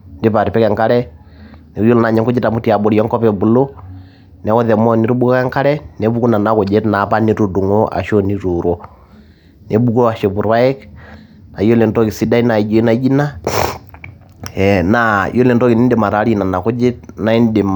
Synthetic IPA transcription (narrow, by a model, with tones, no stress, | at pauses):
ndɪ˦pa˨ɾi˨pɛ˦kɛ˨ŋka˦ɾɛ˦ | ne˨ɾu˦jo˦lɔ˦na˨ɲɛ˦ŋko˦d͡ʒi˦ta˨mu˦ti˨a˨bo˨ɾi˨ɔ˦ŋkɔ˦pɛ˨bu˨lo˦ | nɛ˨˦ɔ˦ðɛ˨mɔ˦˨ni˨ɾu˦bu˦kɔ˦kɛ˦ŋka˦ɾɛ˦nɛ˦βu˦ku˦na˨na˨˦ko˨d͡ʒɛ˦tna˨pa˦ni˦ɾu˨du˨ŋo˦a̰˨ʃo˦ni˨˦ɾu˨ɾɔ˦ | ne˨bu˦ko˦a˨ʃe˨βu˨ɾwa˦ɛ˦k | na˨ijo˦lɛ˨ndɔ˦ki˨si˦da˦i˦na˨i˨d͡ʒɔ˨i˦na˨˦d͡ʒi˦na˦ | ɛ˨na˨jo˦lɛ˨ndɔ˦ki˨ni˦nde˨ma˨ɾa˨˦ɾi˦na˨na˨ko˦d͡ʒe˦tna˨˦i˦nde˨m